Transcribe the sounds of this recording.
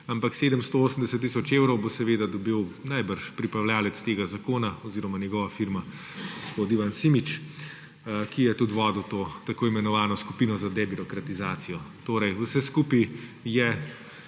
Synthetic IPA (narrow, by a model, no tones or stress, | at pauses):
ampakseːd̪əmst̪ooːsən̩d̪ɛsət̪ːisɔt͡ʃeːwɾɔwbosɛʋeːd̪ad̪ɔbiwnajbəɾʃpɾipɾawljaːlɛt̪st̪eːɡazakoːnaɔziːɾɔmanjɛɡɔːʋafiɾma | ɡospot̪iʋansimit͡ʃ | kijɛt̪ut̪ʋɔːd̪ut̪oːt̪akoːimɛnɔʋaːnɔsku̥piːnɔzad̪ɛbiɾɔkɾat̪izaːt̪sijɔt̪oːɾɛjusɛskuːpijɛ